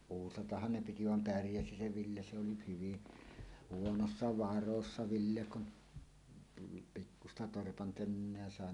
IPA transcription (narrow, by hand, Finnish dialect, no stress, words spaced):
uːsɑtɑhːɑn ne piti ʋɑm pærjæsi se ʋilːe se oli hyʋi huonosːɑ ʋɑrosːɑ ʋilːe kun tulːu pikːustɑ torpɑn tønːeæ sɑˑe